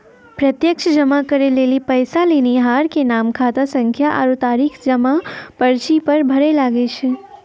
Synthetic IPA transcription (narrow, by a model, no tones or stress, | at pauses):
pɾət̪jəkt͡ʃʰəd͡ʒəmakəɾelelipəjsaliniɦaɾkenamkʰat̪asəŋkʰjaʔa̰ɾut̪aɾikʰd͡ʒəmapəɾt͡ʃipəɾbʱəɾelaɡet͡ʃʰe